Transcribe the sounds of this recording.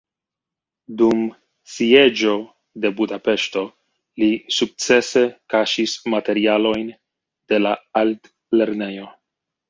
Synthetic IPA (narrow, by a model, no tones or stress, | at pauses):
dum | sie̞d͡ʒo̞ | de̞budape̞ʃto | lisuk̚t͡se̞se̞kaʃismate̞ɾialo̞jn | d̥e̞laalt | le̞ɾne̞jo̞